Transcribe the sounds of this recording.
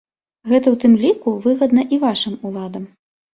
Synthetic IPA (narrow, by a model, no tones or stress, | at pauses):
ɣɛt̪ɐwt̪ɨmlʲikuvɨɣɐd̪nɐʔivaʂɨmulˠad̪ɐm